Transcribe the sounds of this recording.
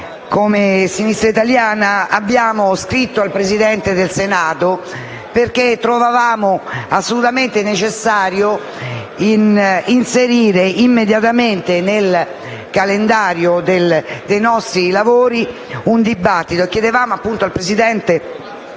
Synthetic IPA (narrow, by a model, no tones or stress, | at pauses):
komesinist̪ɾait̪aljaːnaabːjaːmoskɾit̪ːoalpɾezid̪ɛnt̪ed̪elsenaːt̪o | perk̟et̪ːɾovavaːmoasːolut̪ament̪enet͡ʃesːaːɾjo | ininseɾiːɾeʔimːed̪jat̪ament̪enel | kalend̪aːɾjod̪eld̪ejnɔst̪ɾilavoːɾi | und̪ibat̪ːit̪oekːjed̪evaːmoapːunt̪oalpɾezid̪ɛnt̪e